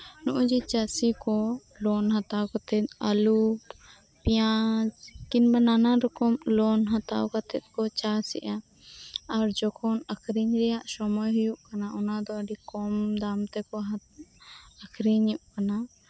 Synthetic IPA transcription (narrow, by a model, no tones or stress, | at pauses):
nɔʔɔd͡ʒit͡ʃasikɔ | lɔnɦat̪akɔt̪ɛalut | pijad͡ʒkinbananaɾɔkɔmlɔnɦat̪a̰ɔkat̪ɛt̪̚kɔt͡ʃasɛ̰ʔaː | ɾd͡ʒɔkʰɔnakʰɾiɲɾɛjaʔsɔmɔjɦujuʔkanaʔɔnad̪ɔəɖikɔmd̪amt̪ɛkɔɦa | akʰɾiɲuʔkana